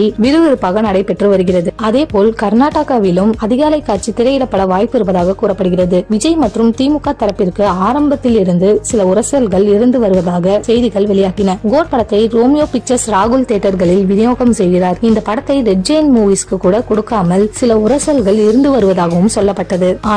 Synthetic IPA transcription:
iʋɪɾɯʋɪɾɯpːaːɣɐnɐɽɐɪpːɛʈrɯʋɐɾɯɣɪrɐðɯɐðeːpoːlkɐɾnaːʈːaːkaːʋɪlɯmɐðɪɣaːlɐɪkːaːɾt͡ʃit̪ɪɾɐjɪɽɐpːɐɽɐʋaːjpːɪɾɯʋɐðaːɣɐkuːrɐpːɐɽɯɣɪrɐðɯʋɪd͡ʒɐɪmɐʈrɯmt̪iːmʊkːaːt̪ɐɾɐpːɪrkɯaːɾɐmbɐt̪ːɪlɪɾɯnd̪ɯsɪlɐʊɾɐsɐlɣɐɭɪɾɯnd̪ɯʋɐɾɯʋɐðaːɣɐsɛjðɪɣɐɭʋɛɭɪjaːɣɪnɐɡoːʈ̚pɐɽɐt̪ːɐɪɾoːmɪjoːpɪt͡ʃːɐsɾaːɣɯlt̪eːʈːɐɾɣɐɭɪlʋɪnɪjoːɣɐmsɛjɣɪraːɾɪnd̪ɐpɐɽɐt̪ːɐɪɾɛɖ̚d͡ʒɐjnmuːʋiːskɯkːuːɽɐkɔɽɯkːaːmɐlsɪlɐʊɾɐsɐlɣɐɭɪɾɯnd̪ɯʋɐɾɯʋɐðaːɣɐʋɯmsɔlːɐpːɐʈːɐðɯaː

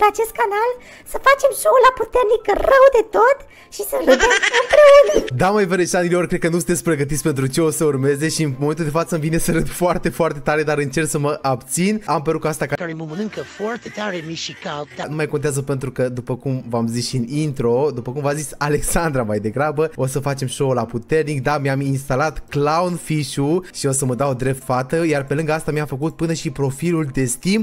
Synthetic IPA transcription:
pe̞at͡ʃe̞st̪̚kanal | səfat͡ʃe̞mʃolaput̪e̞rnikərəwd̪e̞t̪o̞t̪ | ʃisəved̪emɨmpɾeunəd̪aməeveɾeʃanileorkɾed̪kənusɨnt̪esʲpɾe̞ɡət̪̬it̪sʲpe̞nt̪ɾut͡ʃe̞o̞səurme̞ze̞ʃiɨnmome̞nt̪uld̪efat̪səɨmvine̞səɾɨnd̪foart̪e̞foart̪e̞t̪aɾe̞d̪aɾɨnt͡ʃe̞rksəməʔabt̪sinampeɾukast̪akakaɾeməmənɨŋkəfoart̪et̪aɾemiʃikad̪anumajko̞nt̪eazəpe̞nt̪ɾukəd̪upəkumvamzisʃiɨnint̪ɾo̞d̪upəkumvazisʲale̞ksand̪ɾamajd̪e̞ɡɾabəo̞səfat͡ʃe̞mʃo̞wlaput̪e̞rnik̚d̪amiaminst̪alat̪klaunfiʃuʃio̞səməd̪awod̪ɾe̞p̚t̪fat̪əjarpe̞lɨŋɡəast̪amiamfəkut̪̚pɨnəʃipɾo̞filuld̪e̞st̪im

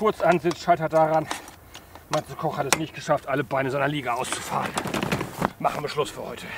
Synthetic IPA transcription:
kʊɐt͡sʔanzɪt͡sʃaɪtɐt̚d̥aʁan | mansəkʰɔχhatɛsnɪçt̚ɡ̥əʃaftʔaləbaɪnəzaɪnɐliːɡaʔaʊst͡su̥fa̰ːʁən | maχn̩viːɐʃlʊsfyːɐhɔʏtʰə

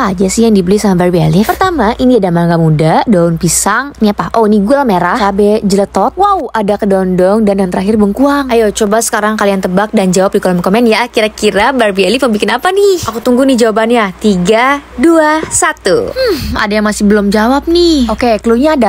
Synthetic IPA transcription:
d͡ʒasɪhjaŋdibəlisamabarbialipərt̪amaʔiniadamaŋɡamudadɔʊnpisaŋniapaʔoiniɡualmeɾahkabɛd͡ʒələt̪ɔt̪̚wauadakədɔndɔŋdanjant̪əɾaɦɪrbəŋkuaŋajot͡ʃobasə̥kaɾaŋkaliant̪əbak̚dand͡ʒawap̚dikɔlɔmkomɛnjakiɾakiɾabarbialipəbikɪnapanɪakut̪uŋɡunihd͡ʒawabanjat̪iɡaduasat̪ṵm̩a̰dajaŋmasɪhbəlʊmd͡ʒawap̚nɪhokekəluɲaːda

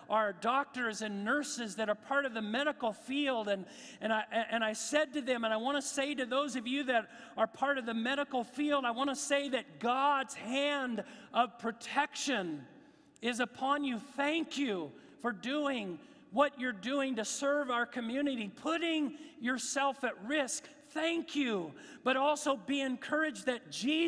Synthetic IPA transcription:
ʔaə˞dɔk̚tə˞zɨ̃nːɜ˞sɨzðɨɾə˞pʰɑɹɾʌvðɨmɛɾɨkl̩ˠfilˠdɨ̃n | ɨ̃naɪʔɨ̃ñaɪsɛd̚tɨðɨ̃mə̃ñaɪwɑ̃ñɨseɪɾɨðoʊzʌvjɨðɨɾ | ə˞pʰɑɹɾʌvðɨmɛɾɨkl̩ˠfilˠdaɪwɑ̃ɾ̃ɨseɪðɨt̚ɡ̥ɑdz̥hæ̃ndʌv̥pʰɹ̥ɨtʰɛkʃɨ̃n | ɪzəpʰɑ̃njɨθæ̃ŋkʰjʉ | fə˞duɪ̃ŋ | wʌt͡ʃə˞duɪ̃ŋtɨsɜ˞vaʊə˞kʰɨmjʉnɨɾipʰʊɾɪ̃ŋjə˞sɛlˠfɨt̚ɹɪsk | θæ̃ŋkʰjʉb̥ʌɾɔlˠsoʊbiɨ̃nkʰɜ˞ɨd͡ʒðɨt̚d̥ʒ̥i

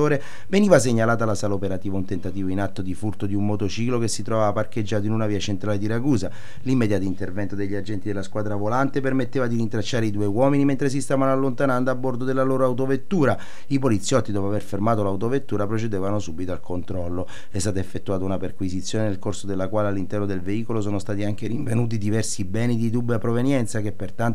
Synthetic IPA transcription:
oːɾe | veniːvas̬eɲːalaːt̪alasaːlopeɾat̪iːvaunt̪ent̪at̪iːvoinat̪ːod̪ifurt̪od̪iummːot̪ot͡ʃiːklokesːit̪ɾɔvaːparked͡ʒːaːt̪oinunaviːat͡ʃent̪ɾaled̪iɾaɡuːza | limːed̪jaːt̪oint̪ervɛnt̪od̪eʎːiad͡ʒːɛnt̪id̪elaskwaːd̪ɾavolant̪epermet̪ːeːvad̪iɾint̪ɾat͡ʃːaːɾeid̪uːewɔːminiment̪ɾes̬ist̪aːvanoalːont̪anand̪oabːord̪od̪elːaloːɾoawt̪̬ovet̪ːuːɾa | ip̬olit̪sːjɔt̪ːid̪ɔpoaverfermaːt̪̬olawt̪̬ovet̪ːuːɾapɾot͡ʃed̪eːvanosubit̪oalkʰont̪ɾɔlːo | ɛst̪aːt̪oefːet̪ːuaːt̪ounaperkwizit̪sjoːnenelkorsod̪elːakwaːlealːint̪ɛrnod̪elveiːkolos̬oːnost̪aːt̪iaŋk̟eɾiɱvenuːt̪̬id̪ivɛrsibɛːnid̪id̪ubapɾovenjɛnt̪sak̟epːert̪ant̪

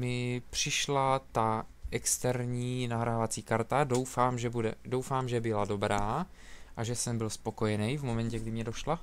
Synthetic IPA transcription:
mɪpr̝̥ɪʃlat̪aʔɛkst̪ɛɾɲiːnaɦɾʔaːvat͡siːkaɾt̪ado̞wfaːmʒɛbudɛdo̞wfaːmʒɛbɪlado̞bɾaː | ʔaʒɛsɛmbɪlspo̞ko̞jɛnɛjvmo̞mɛnɲcɛɡdɪmɲɛdo̞ʃla

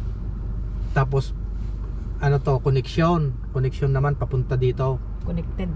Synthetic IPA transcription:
t̪aːp̬o̞s | ʔɐnot̪o̞konɛkʃjonkonɛk̚ʃjonːɐmanpɐpʊnt̪ad̪iːt̪o̞ | konɛk̚t̪ɛd̪

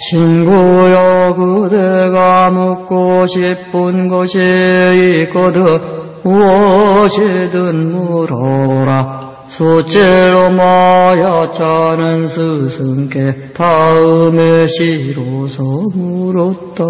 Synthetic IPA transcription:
t͡ɕʰinɡujʌkɯdeɡamokk͈oɕʰip͈ːɯnɡʌɕʰiik͈ʌdɯ | uwʌɕʰidɯnmuɾʌɾa | sʰot͡ɕeɾomajat͡ɕʰanɯnsʰɯsʰɯŋke | taɯmeɕʰiɾosʰʌmuɾʌt̚t͈a

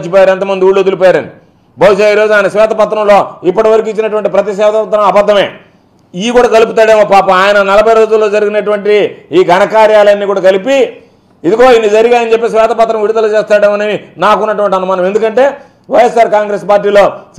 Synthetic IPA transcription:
t͡ʃːipɔːjaːɾet̪ɐmɐnd̪iuːɭuod̪ulupɔːjaːɾɐni | bɐwuʃaːiːɾo̞ːd͡ʒuaːjnɐsʋɛːt̪ʰɐpɐt̪̬ːɾɐmlo̞ːipːɐʈɐʋɐɾik̬uːit͡ʃːinɐʈuʋɐɳʈipɾɐt̪is̬ʋɛːt̪ɐpɐt̪ɾɐmɐbɐd̪ːɐme̞ː | ikuːɽaːkɐluput̪aːɽeːmoːpaːpɐmaːjɐnɐnɐlɐbʱɐjɾo̞ːd͡ʒulːo̞ːd͡ʒɐɾiɡinɐʈuʋɐɳʈiiːɡʱɐnɐkaːɾjaːlɐnːiːkuːɽaːkɐlipi | id̪iɡo̞ːinːid͡ʒɐɾiɡaːjɐnt͡ʃepːeːs̬ʋɛːt̪ʰɐpɐt̪ɾɐmʋiɽud̪ɐlut͡ʃeːst̪aːɽeːmɐnɐninaːkunːɐʈuʋɐɳʈ̬iɐnumɐnɐme̞nd̪ukɐɳʈe̞ː | ʋɐjesːaːɾkaːŋɡɾeːspaːɾʈːiːlo̞ːs

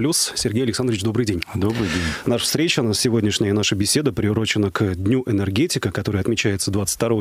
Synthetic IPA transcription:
plʲussʲɪrɡʲejɐlʲɪksand̪ɾʲɪɪt͡ɕd̪o̞bɾɨjdʲenʲd̪obɾɨjdʲenʲnaʂfst̪ɾʲet͡ɕɐnasʲɪvo̞dʲnʲɪʂnʲəjənaʂəbʲɪsʲe̞d̪əpɾʲɪʊɾo̞t͡ɕɪnəkd̪ʲnʲuʔɛnɛrɡʲetʲɪkəkɐt̪o̞ɾəjəɐt̪mʲɪt͡ɕæjɪt̪səd̪vat̪sɨ̥tʲt̪ɐɾo̞v

